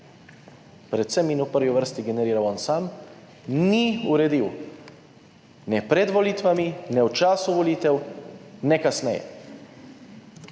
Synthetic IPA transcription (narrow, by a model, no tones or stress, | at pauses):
pɾɛt̪sɛminupəɾʋiʋəɾst̪iɡɛnɛɾiːɾawɔnsaːm | niuɾɛd̪iw | nɛpɾɛd̪ʋɔliːt̪ʋaminɛwt͡ʃaːsuʋɔliːt̪ɛwnɛkasnɛjɛ̰